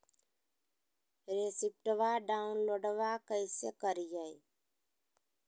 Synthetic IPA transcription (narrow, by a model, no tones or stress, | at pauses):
ɾesip̚ʈəʋaɖaʊnloɖʋakəɪsekəɾijəj